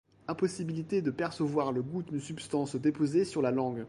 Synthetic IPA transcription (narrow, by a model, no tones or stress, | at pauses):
ɛ̃pɔsibilit̪ed̪əpɛʁsəvwaʁləɡut̪ynsypst̪ɑ̃sd̪epozesyʁlalɑ̃ɡ